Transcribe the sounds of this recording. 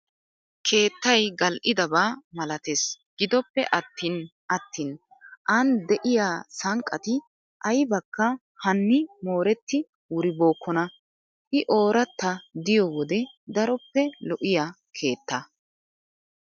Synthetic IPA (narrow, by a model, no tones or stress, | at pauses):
kʰe̞ːt̪ːɐjɡɐlʔɪd̪ɐbaːmɐlɐt̪es | ɡ̥ɪd̪ɔpːɛ̰ʔɐt̪ːiːnʔɐt̪ːiːn | ʔɐnd̪ɛʔɪjaːsɐŋkʼːɐt̪ɪ | ʔɐjbɐkːɐ | hɐnːɪmo̞ːɾɛt̪ːɪ | wʊɾɪbo̞ːkʰːɔnɐ | ʔɪʔo̞ːɾɐt̪ːɐd̪ɪjɔwɔd̪ɛ | d̪ɐɾɔpːɛlɔʔɪjaː | kʰe̞ːt̪ːɐ